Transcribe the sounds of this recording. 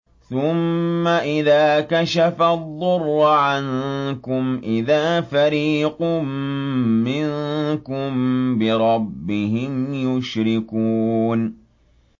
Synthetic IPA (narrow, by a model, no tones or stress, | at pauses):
θʊmːaʔɪðaːkaʃafaðˤːʊrˤːʕankʊmʔɪðaːfaɾiːqʊmː | ɪŋkʊmbɪɾˤɑbːɪɦɪmjʊʃɾɪkuːn